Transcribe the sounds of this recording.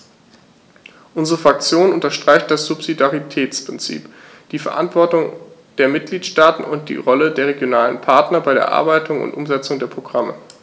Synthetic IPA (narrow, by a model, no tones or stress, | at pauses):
ʔʊnzəʁəfʁ̥ak̚t͡sjoːnʔʊntɐʃtʁ̥aɪçt̚d̥asz̥upz̥idaʁitʰɛːt͡spʁ̥ɪnt͡sḭːp | d̥iːfɛɐʔa̰ntv̥ɔɐtʊŋd̥eːɐmɪt̚ɡ̥liːtʃtaːtn̩ʊnt̚d̥ḭːʁɔlədeːɐʁ̞eɡjonaːlənpʰaɐtnɐbaɪɾḛːɐʔa̰ɐbaɪtʰʊŋʊ̰ntʔʊmzɛt͡sʊŋdeːɐpʁ̥oɡʁamə̰